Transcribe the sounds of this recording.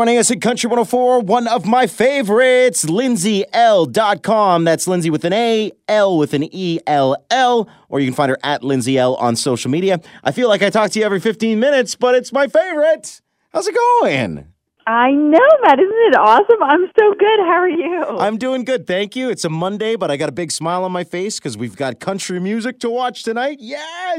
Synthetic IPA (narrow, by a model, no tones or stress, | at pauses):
ɪñɪ̃ŋʌsɨ̃nkʰʌ̃nt͡ʃɹ̥iwʌ̃ɾ̃noʊfɔɹwʌ̃nʌvmaɪfeɪvə˞ɪttslɪ̃nziʔɛlˠdɑt̚kʰɑ̃mðætslɪ̃nziwɨðɨ̃neɪɛlˠwɪðɨ̃niɛlˠɛlˠ | ʔə˞jɨkɨ̃n̩fãɪ̃ndə˞ʔɨtˡlɪ̃nziɛlˠə̰̃nsoʊʃl̩ˠmiɾiɨʔaɪfilaɪkaɪtʰɔk̚tʰɨjɨɛvɹifɪftĩnmɪ̃ñɨtsb̥ʌɾɨtsmaɪfeɪvə˞ɪt̚ | hazɨɡoʊɪ̃n | aɪnoʊmæɾɪzn̩tɨɾɔsə̃mãɪ̃msoʊɡʊd̚ɦaəjʉãɪ̃mdʉɪ̃ŋɡʊd̪̚θæ̃ŋkjʉɨtsəmʌ̃ndeɪbʌɾaɪɡɑɾəbɪɡsmaɪlˠə̃nmaɪfeɪskʰʌzwivɡɑt̚kʰʌ̃nt͡ʃɹ̥imjʉzɨk̚tʰəwɑt͡ʃtʰɨnaɪt̚jæ